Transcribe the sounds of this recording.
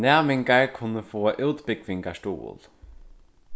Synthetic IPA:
næːmɪŋɡaɹkʰʊnəfoːʔʉːt̪bɪkʋɪŋɡaʂʈṵːə̰l

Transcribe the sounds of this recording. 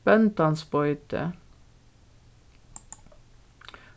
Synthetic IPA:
pɛnt̪ɑnspɔʏt̪ʰə̰

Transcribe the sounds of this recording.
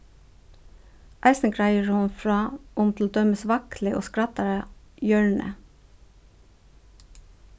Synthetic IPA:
ʔæɪsn̩ɡɾæɪəɹʊmfɹɑːʔʊmt̪ʰl̩d̪œməsʋɑklɪʔo̰ːskɾɑt̪ɑɾəjœɹɳə̰

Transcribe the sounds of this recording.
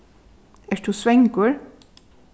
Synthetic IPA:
ɛʃt̪usʋɛŋkʊɹ

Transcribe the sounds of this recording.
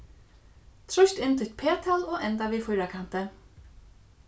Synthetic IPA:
t̪ʰɾɔjʃt̪ɪnt̪ʰɪ̥t̪̚pʰeːt̪ʰalɔɣɛnt̪aʋiːfʊjɾakʰan̥t̪ɪ

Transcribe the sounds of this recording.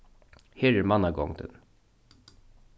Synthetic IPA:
heːɾɛɾmanaɡɔ̰ŋd̪ə̰n

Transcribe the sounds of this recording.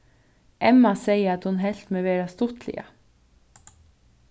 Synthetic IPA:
ʔɛmɑseɪəɑt̪hʊnɦɛlt̪meːʋeːɹɑst̪ʊt̪lɪ̰ə̰

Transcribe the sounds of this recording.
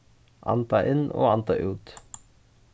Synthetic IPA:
ʔɑ̰nt̪ɑʔɪnʔo̰ːɑnt̪ɑ̰ʔʉːt̪

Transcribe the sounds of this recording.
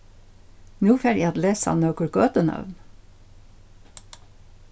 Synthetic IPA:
nuːfeːɾḭːɑd̪leːsɑ̰nœːkʊɽkœːt̪ənœ̰ʋn

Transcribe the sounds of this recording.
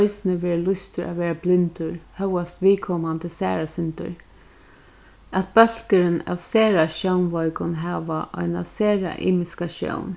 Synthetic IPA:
ʏsnəʋeːɹlʊst̪əɹʔa̰ʋeːɹablɪnt̪ʊɹhœwast̪ʋiːkʰɔmand̪əsæ̰ːɹasɪnt̪ʊ̰ɹ | at̪̚bœl̥kəɾəna̰ʋseːɹaʃœwnʋɔʏkʊnɦaːʋaʔɔ̰ɪna̰seːɹa̰ʔḭːmɪskaʃjɔ̰ʊn

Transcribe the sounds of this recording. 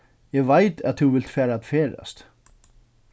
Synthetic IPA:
ɛvajt̪aðθuwvɪl̥t̪fæːɾaat̪fɛːɾa̰st̪

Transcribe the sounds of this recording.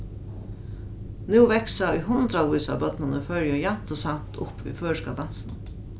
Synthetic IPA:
nʉʋɛksaujɦʊnt̪ɾauːsabœt̪nɪnəfœɹjəjamt̪ʊsam̥t̪ʰʊ̰pʋḭːføːʂkad̪ansn

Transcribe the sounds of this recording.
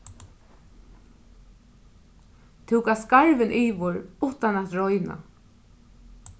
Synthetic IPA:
t̪ʰuwkaskaɹʋɪnʔiːʋʊɹʊht̪anat̪ɹɔjna̰

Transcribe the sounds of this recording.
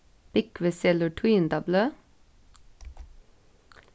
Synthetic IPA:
b̥ɪkʋəsɛləʈʰwiːnd̪ɑbløː

